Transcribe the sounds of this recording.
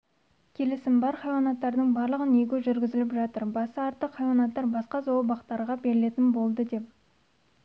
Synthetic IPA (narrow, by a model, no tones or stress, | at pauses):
kʲʰe̞lɪsɪmbɑɾχɑjwɑnɑt̪ːɑɾd̪əɴbɑɾlˠəʁəneɡʲɪʒʏɾɡʲɪzɪlɪpʒɑt̪əɾbɑsəɑɾt̪ːəqχɑjwɑnɑt̪ːɑɾbɑsqɑzobɑqt̪ɑɾʁɑbe̞ɾɪle̞t̪ɪnbo̞lˠd̪əd̪e̞p̚